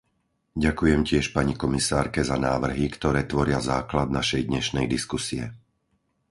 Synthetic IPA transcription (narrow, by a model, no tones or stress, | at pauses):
ɟakujɛmcɪɛʃpaɲikɔmisaːɾkɛzanaːʋr̩ɦikt̪ɔɾɛːt̪ʋɔɾɪazaːklad̪naʃɛjd̪ɲɛʃnɛjd̪iskusiɛ̰